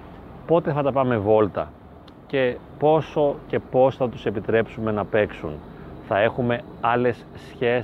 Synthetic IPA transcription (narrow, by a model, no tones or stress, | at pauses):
po̞t̪e̞θɐt̪ɐpɐme̞vo̞lt̪ɐ | ce̞po̞so̞ce̞po̞sθɐt̪u̥se̞pit̪ɾe̞psume̞nɐpe̞ksṵnθɐe̞xume̞ɐle̞sːçe